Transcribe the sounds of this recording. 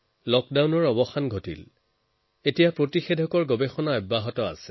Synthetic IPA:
lɔkdawnɔɹɔbɔxanɡʱotḭl | etijapɹotixedʱɔkɔɹɡɔbexɔnaɔjbːaɦɔtɔa̰sɛ̥

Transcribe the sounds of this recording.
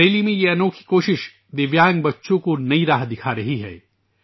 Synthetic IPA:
eːlimẽjeɐnoːkʰi̥koːʃɪʃ | d̪ɪʋjaːŋɡbɐtːʃõkonɐiɾaːɦd̪ɪkʰaɾɐɦiɦɛ̰ː

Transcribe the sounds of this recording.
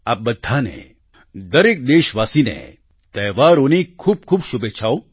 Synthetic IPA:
aːp̚bɐd̪ʱːaːnḛ | d̪ɐɾeːk̚d̪eːʃʋaːsinḛ | t̪ɐːʋaːɾonikʰuːb̚kʰuːbʃʊbet͡ʃʰaːo

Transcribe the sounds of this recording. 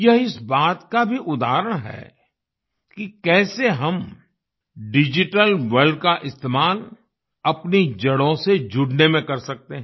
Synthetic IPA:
jɐɦɪsbaːt̪kabʱiʔʊd̪aːɾəɽ̃ɦɛ̰ː | kikɛːseɦɐm | ɖɪd͡ʒɪʈəlʋɐɾɖ̚kaʔɪst̪eːmaːl | ɐpnid͡ʒɐɽõsed͡ʒʊɽnemẽkɐɾsɐk̚t̪eɦɛ̃ː

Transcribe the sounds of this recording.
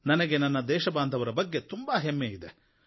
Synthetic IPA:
nɐnɐɡenɐnːɐd̪ɛːʃɐbaːnd̪ʱɐʋɐɾɐbɐɡːet̪umbɐɦemːeid̪e̞

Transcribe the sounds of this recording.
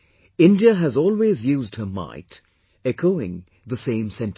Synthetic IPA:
ɪ̃ndiəɦæzɔːlˠweːzjuːzdhəma̰ɪt | ɛkʰoʊɪ̰̃ŋ | ðəsẽɪ̃msɛ̃nt

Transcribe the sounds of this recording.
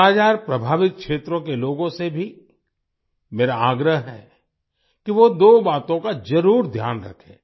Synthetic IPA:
aːd͡ʒaːɾpɾɐbʱaːʋɪk̚kʰʃeːt̪ɾõkeloːɡõsebʱi | meːɾaaːɡɾəɦɦɛ̰ː | kiʋod̪oːbaːt̪õkad͡ʒɐɾuːɾd̪ʱjaːnɾɐ̰kʰḛ̃ː

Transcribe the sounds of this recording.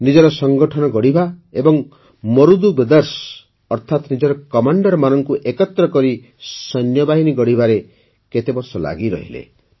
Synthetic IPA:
nid͡ʒɔɾɔsɔŋɡɔʈʰɔnɔɡɔɽibʱaebɔŋ | mɔɾud̪ubed̪ɔɾs | ɔɾt̪ʰat̪nid͡ʒɔɾɔkɔmaɳɖɔɾmanɔŋkuʔekɔt̪ɾɔkɔɾi | sɔnjɔbaɦiniɡɔɽibʱaɾe | ket̪ebɔɾsɔla̰ɡiɾɔ̰ɦḭlḛ

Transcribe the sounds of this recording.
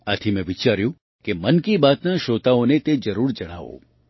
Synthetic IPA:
at̪ʰimɛ̃ʋɪt͡ʃaɾjũ | kemənkibaːt̪naʃoːt̪aonet̪ed͡ʒəɾuːɾd͡ʒəɽ̃a̰ʋo̰

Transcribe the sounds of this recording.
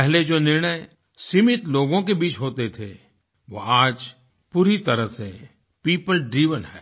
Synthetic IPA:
pɛɦled͡ʒoːnɪɾɳ̃əj | siːmɪt̪loːɡõk̬ebiːt͡ʃɦoːt̪et̪ʰḛ | ʋo̰ːaːd͡ʒ | puːɾit̪ɐɾəɦsḛ | piːpəlɖɾiːʋənɦɛ̰ː

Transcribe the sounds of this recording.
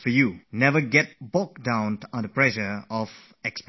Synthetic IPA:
fə˞junɛvə˞ɡɛt̚bɔk̚dãʊ̃nə̃ndəpʰɹ̥ɛʒə˞ɔv̥ | ɛksp

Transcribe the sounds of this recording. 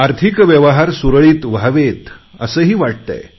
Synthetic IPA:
aɾt̪ʰikʋjəʋəɦaɾsuɾɭiːt̪ʋaʋet̪ə̰səːɦiːʋaʈ̚t̪a̰j

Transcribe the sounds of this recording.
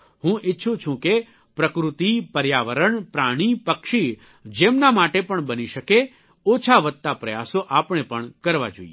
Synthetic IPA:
ɦũʔɪtːʃʰũt͡ʃʰũke | pɾəkɾut̪ipəɾjaʋəɾəɳpɾaɽ̃ipəkʃi | d͡ʒemnamaʈepəɳbəniʃəke | ot͡ʃʰaʋət̪̚t̪ːapɾəjasoʔapɳ̃epəɳkəɾʋa̰d͡ʒo̰i

